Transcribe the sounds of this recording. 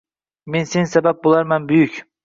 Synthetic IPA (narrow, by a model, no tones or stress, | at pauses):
mensensabap̚bolˠaɾmanbʊjykʲ